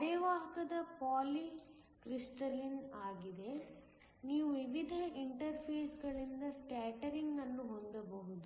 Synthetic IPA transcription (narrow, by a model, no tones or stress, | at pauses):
ɐɽɛʋaːɦɐkɐd̪ɐpaːli | kɾisʈɐlinaːɡid̪e̞ | niːʋuʋiʋid̪ʱɐʔiɳʈɐɾpʰeːsɡɐɭind̪ɐsʈaːʈɐɾiŋɡɐnːuɦond̪ɐbɐɦud̪u